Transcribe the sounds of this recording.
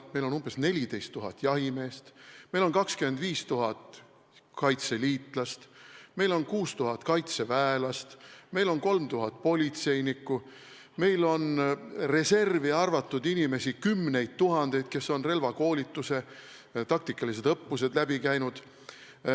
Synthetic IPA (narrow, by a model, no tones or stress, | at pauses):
me̞jlo̞numb̥e̞sne̞lʲid̪e̞jst̪ːuɦɑt̪ːˑjɑɦime̞ːst̪me̞jlo̞nkɑkskyme̞nd̪viːst̪uɦɑt̪ˑ | kɑjt̪se̞liːt̪ˑlɑst̪me̞jlo̞nkuːst̪uɦɑt̪kɑjt̪se̞væelɑst̪me̞jlo̞nko̞lmt̪uɦɑt̪̚ːˑpo̞lʲit̪se̞jnikːˑu | me̞jlo̞nre̞se̞rviɑrvɑt̪ːˑud̪inime̞sikymːne̞jd̪̚t̪uɦɑnd̪̥e̞jd̪̚ke̞so̞nre̞lvɑko̞ːlʲit̪ːˑuse̞ | t̪ɑk̚t̪ikˑːɑlis̬e̞d̪ɤpːus̬e̞d̪̥læbikæjnud̪̥